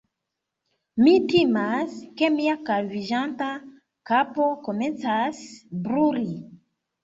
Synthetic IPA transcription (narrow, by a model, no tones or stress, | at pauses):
mitimaske̞miakalviʒanta | kapo̞kome̞nt͡sasbɾuli